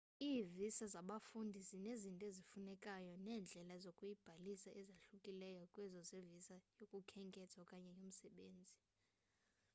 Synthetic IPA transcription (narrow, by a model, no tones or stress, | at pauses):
iːvisazaɓafundʱizinezintʼɔezifunɛkʼajɔnɛːnd͡ɮʱɛlazokʼujib̥ʱalisaʔɛzaɬukʼilɛjɔkʼwɛzɔzevisajokʼukʰɛŋkʼɛtʰwakʼaɲɛjom̩sɛɓeːnd͡zʱi